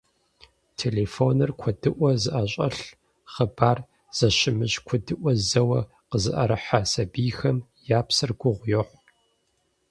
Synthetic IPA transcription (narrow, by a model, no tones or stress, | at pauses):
tʰeːlefoːnɨrkʷʰɔdɨʔʷɔzɨʔɐɕʼɐɬ | χəbaːr | z̥ɐɕɪmɨʑkʷʰʊdɨʔʷɔzɐwɐ | qəzɨ̰ʔɐ̰ɾɨħasɐbiːxɐmjaːpsɨrɡʷʊʁʷjoħʷ